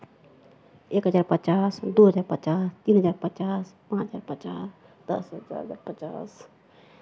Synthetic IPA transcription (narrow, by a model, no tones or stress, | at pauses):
ekɦəd͡ʒaːɾpətːt͡ʃasd̪oɦəd͡ʒaːɾpətːt͡ʃast̪iːnɦəd͡ʒaːɾpətːt͡ʃaspãt͡ʃɦəd͡ʒaːɾpət͡ʃas | d̪̥ə̰sd͡ʒa̰ɾəd͡ʒa̰ːɾpət͡ʃa̰s